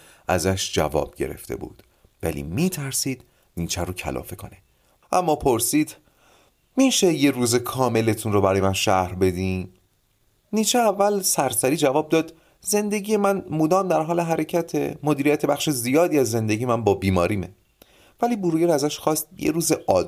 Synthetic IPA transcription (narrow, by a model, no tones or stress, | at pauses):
ʔæ̰zæʃd͡ʒæ̰vɒ̰ːb̥̚ɟe̞̰ɾe̞̰ft̪ʰe̞̰bṵːd̪̥ | væ̰lḭːmiːt̪ʰæɾsiːd̪̥ | niːt͡ʃʰæɾocʰæ̰lʔɒ̰ːfe̞kʰone | ʔæmːɒːpʰoɾsiːd̪̥ | miːʃeje̞ruːzekʰɒːme̞let̪ʰunrobæɾɒːjemænʃæhɾbe̞d̪iːm | niːt͡ʃʰeævːælsæɾsæɾiːd͡ʒævɒːb̚d̪ɒːd̪ | ze̞nd̪eɟije̞mænmod̪ɒːmd̪æɾɦɒːle̞ɦæɾecʰæt̪ʰḛmo̞d̪iːɾijæt̪ʰe̞bæxʃezijɒːd̪iːæzːe̞nd̪eɟijemænbɒːbiːmɒːɾiːme | væliːboɾujeɾæzæʃxɒːst̪̚jḛɾuːzeʔɒː